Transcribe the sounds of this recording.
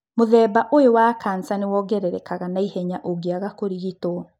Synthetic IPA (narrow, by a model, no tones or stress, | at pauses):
moðɛːbaʔoewakaːnsanewɔɡɛɾɛɾɛkaɣanaihɛɲaʔoɡeaɣakoɾiɣitwɔ